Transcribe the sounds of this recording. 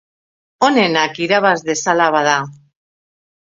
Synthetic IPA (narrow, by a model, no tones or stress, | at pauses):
o̞ne̞nakiɾaβazðe̞salaβaða